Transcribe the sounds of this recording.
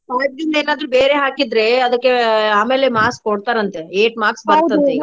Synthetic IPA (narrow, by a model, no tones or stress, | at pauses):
paːɾd̪ind̪ɐeːnaːd̪ɾubeːɾeɦaːkid̪ɾe̞ɐd̪ɐkːeaːme̞ːlemaːskːoɽt̪aːɾɐnt̪eeːʈmaːksbaɐt̪e